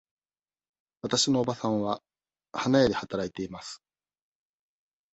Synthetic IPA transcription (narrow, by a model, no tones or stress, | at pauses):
βat̪aɕino̞ːbasãβa | hanaed̪e̞hat̪aɾait̪e̞imasɨ̥